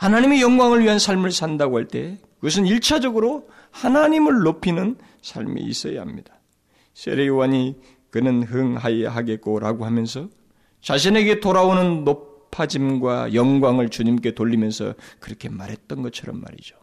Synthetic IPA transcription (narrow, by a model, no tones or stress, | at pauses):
hanaɲimijʌŋɡwaŋɯɭɥiɦansʰaɭmɯɭsʰandaɡohaɭt͈e̞̰kɯɡʌs̬ʰɯniɭt͡ɕʰad͡ʑʌɡɯɾo | hanaɲimɯɭːopʰinɯn | sʰa̰ɭmḭḭs͈ʌja̰hamɲidḁ | sʰe̞̰ɾejowaɲi | kɯnɯnɦɯŋɦaja̰ɦaɡe̞t̚k͈oɾaɡoɦamjʌnsʰʌ | t͡ɕaɕ̬ʰine̞ɡe̞toɾaonɯnːopʰad͡ʑimɡwa̰jʌŋɡwaŋɯɭt͡ɕuɲimk͈e̞toʎːimjʌnsʰʌ̰kɯɾʌkʰe̞maɾɦet̚t͈ʌnɡʌt͡ɕʰʌɾʌ̰mːa̰ɾḭd͡ʑo̥